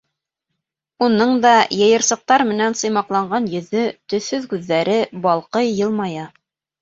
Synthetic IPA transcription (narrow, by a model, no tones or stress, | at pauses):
unɤɴd̪ɑjɤ̆jɤ̆ɾsɤ̆q̚t̪ɑɾmɘ̆nænsɤ̆jmɑqlˠɑɴɢɑnjɵ̆ðɵt̪ɵ̆θɵðkʉðːæɾɘbɑlˠqɤjːɤlˠmɑjɑ